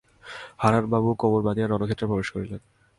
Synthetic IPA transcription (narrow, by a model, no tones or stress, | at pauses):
haɾaɾbabukoboɾbad̪iaɾɔnokʰet̪ːɾapɾobeʃkoɾilen